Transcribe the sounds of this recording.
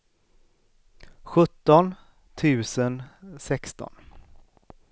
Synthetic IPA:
ɧɵt̪ːɔn | t̪ʰʉ̟ːsənsɛkst̪ɔ̰n

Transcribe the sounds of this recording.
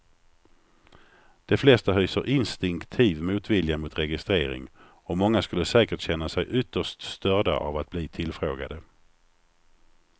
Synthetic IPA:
d̪̥ɛflɛst̪aɦyːsə̰ɾʔɪnst̪ɪŋkt̪ʰiːvmuːt̪vɪljamʊt̪ɾɛɡɪst̪ɾeːɾɪ̰ŋ | ɔmɔŋːaskɵlːəsɛːkəʈɕɛnːasɛjʔʏt̪ːəʂtst̪œɖa̰ʔa̰vat̪̚bliːt̪ʰɪlfɾoːɡa̰d̪ə

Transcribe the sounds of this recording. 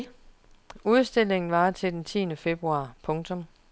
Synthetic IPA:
uðˠsd̥e̝l̰e̝ŋn̩ʋɑ̈t͡sʰe̝ld̥ent͡sʰḭːnəfe̝b̥ʁuɑ̰̈ːpʰɔ̽ŋt͡sʰɔ̽m

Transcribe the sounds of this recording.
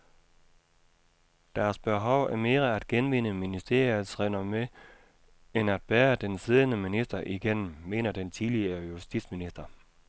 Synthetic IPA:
d̥æːɐsb̥e̝ɦɒʊ̰æɐme̝ːʁɐæd̥̚ɡ̥enʋe̝nəminisd̥e̝ɐ̰jð̩ˠsʁenɐme | enæd̥̚b̥æːɐd̥ensiðˠnəminisd̥ɐʔiɡ̥en̰m̩mːe̝ːnɐd̥ent͡sʰiðliɐjusd̥id̥sminisd̥ɐ

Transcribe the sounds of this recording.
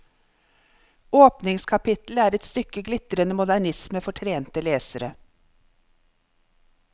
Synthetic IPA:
oːpnɪŋskʰɑpɪt̪l̩æːɾɛt̪st̪ʏkəɡlɪt̪əɾənəmʊd̪æɳɪsməfɔʈʰɾeːnt̪əleːsəɾə̰

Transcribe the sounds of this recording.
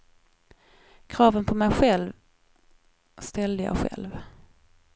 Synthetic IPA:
kʰɾɑːvənpʰɔmɛjɧɛlv | st̪ɛld̪əjɑ̰ɡɧɛ̰lv

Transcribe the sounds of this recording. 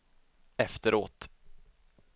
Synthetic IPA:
ɛft̪əɾʔoːt̪

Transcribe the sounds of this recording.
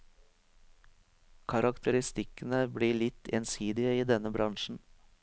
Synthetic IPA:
kʰɑɾɑkt̪ʰəɾɪst̪ɪkənəbɽiːɭɪt̪ʰḛːnsiːd̪ɪəiːd̪ɛnəbɾɑŋʃn̩

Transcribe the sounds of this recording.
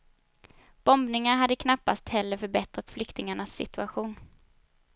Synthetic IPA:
b̥ɔmbnɪŋaɾɦad̪ːəkʰnapːast̪hɛlːəɾfœɾbɛt̪ɾat̪flʏkt̪ɪŋaɳasːɪ̰t̪ɵaɧuːn

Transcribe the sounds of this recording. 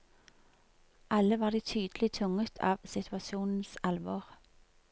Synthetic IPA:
ʔɑləʋɑːʁd̪iːt̪ʰyːd̪lɪt̪ʰʊŋət̪ʰɑ̰ːʋsɪt̪ʰʉɑsuːnn̩sɑlʋoːʁ

